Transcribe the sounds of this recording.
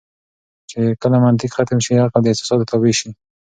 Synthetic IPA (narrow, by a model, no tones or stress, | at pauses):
t͡ʃekəlamant̪ɪkxat̪əmʃiaqad̪əɪsɪ̥sɑd̪t̪aweʃi